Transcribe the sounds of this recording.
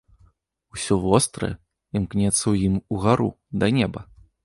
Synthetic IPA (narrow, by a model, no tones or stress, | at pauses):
usʲɔvɔst̪ɾɐ̰ | imknʲɛt̪sːɐwjimuɣaɾṵ | d̪ɐnʲɛbɐ